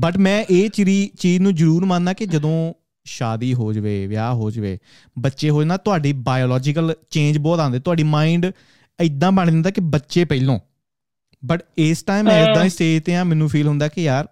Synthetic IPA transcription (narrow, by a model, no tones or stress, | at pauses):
bəʈmɛ̃ːʔeːt͡ʃɾiːt͡ʃiːd͡ʒnũːzəɾuːɾmãːnd̪aːkɪd͡ʒəd̪õː | ʃaːd̪iːɦoːd͡ʒʋḛːʋja̰ːɦoːd͡ʒʋḛː | bətːʃeːɦoːd͡ʒãnaːt̪ʊaːɖiːbaːjoːlɔːd͡ʒɪkəlt͡ʃẽːnd͡ʒbɔːt̪ãːnd̪eːt̪ʊaːɖiːmaːĩːɳɖ | ɪd̪ːãːbəɳd̪ɪ̃nd̪aːkɪbətːʃeːpəilõː | bəʈɪsʈaːimɛ̃ːɪd̪ãːɪseːt̪eːãːmɛ̃ːnũːpʰiːlɦʊ̃nd̪aːkejaːɾ